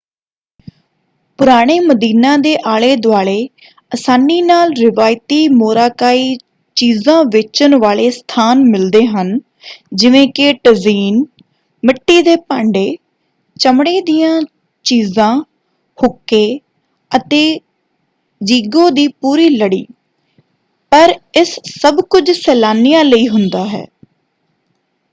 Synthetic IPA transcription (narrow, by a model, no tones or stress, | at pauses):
pʊɾaːɽ̃eːməd̪iːnãːd̪eːʔaːɭeːd̪ʊaːɭeː | əsaːniːnaːlɾɪʋaːjt̪iːmoːɾaːkaːiː | t͡ʃiːzãːʋɪt͡ʃənʋaːɭeːst̪ʰaːnmɪld̪eːɦən | d͡ʒɪʋẽːkɪʈəziːn | mɪʈːiːd̪eːpaːɳɖeː | t͡ʃəmɳeːd̪ɪjãː | t͡ʃiːzãː | hʊkːeː | ət̪eː | d͡ʒiːɡõːd̪iːpuːɾiːləɽḭː | pəɾɪsːəbkʊd͡ʒsɛːlaːnijãːləiːɦʊnd̪aːɦɛ̰ː